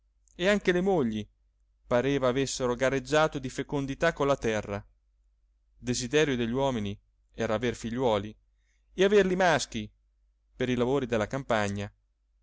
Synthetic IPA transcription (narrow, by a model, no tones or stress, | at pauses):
eaŋk̟elemoʎːi | paɾeːvaːvesːeɾoɡared͡ʒːaːt̪od̪ifekond̪it̪akːonlat̪ɛrːa | d̪ezid̪ɛːɾjod̪eʎːiwɔːmini | ɛːɾaːverfiʎːwɔːli | eaverlimask̟i | peɾilavoːɾid̪elːakampaɲːa